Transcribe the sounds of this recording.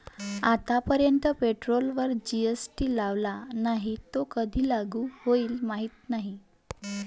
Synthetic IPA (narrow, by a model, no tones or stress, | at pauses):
at̪apəɾjənt̪əpeʈɾolʋəɾd͡ʑiesʈiːlaʋlanaɦit̪okəd̪ʱiːlaɡuːhoiːlmaɦiːt̪naɦi